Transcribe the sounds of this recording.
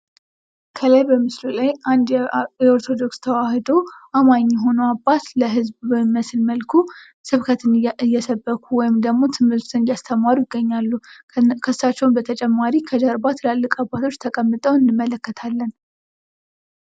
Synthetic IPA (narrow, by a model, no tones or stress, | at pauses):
kʰəlajbəmɨslulajʔand̪jɛoɾt̪ʰo̞d̪o̞kst̪ʰəwahɨd̪o̞ʔamaɲːɪɦo̞nəwabːat̪ləɦɨzbmːəsɨlməlkʰu | sɨβkʰət̪ʰɨnjːɛsəbːəkʰuwɔjɪmd̪əɡmo̞t̪ʰɨmhɨɾt̪ʰɨnjast̪ʰəmaɾujɪɡːəɲːalːu | kʰəsːat͡ʃːɛwnbət̪ʰət͡ʃʼɛmːaɾikʰəd͡ʒəɾbat̪lalːɨkʼabːat̪ʰo̞t͡ʃːt̪ʰəkʼəmːɨt̪ʼəwɨnːɨmːələkːət̪ʰalːən